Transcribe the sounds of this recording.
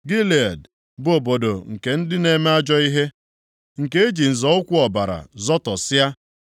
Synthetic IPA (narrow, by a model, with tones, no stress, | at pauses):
ɡi˦li˨a˨d | bo˨bo˨do˨ŋ̩˨ke˨n̩˦dɪ˦ne˨me˦a˦d͡ʒɔ˦i˦ɦe˦ | ŋ̩˨ke˦e˦d͡ʒi˨n̩˨zɔ˨˦ʊ˦kʷʊ˦ɔ˨ba˨ɾa̰˨zɔ˦tɔ˨sɪ˦a˦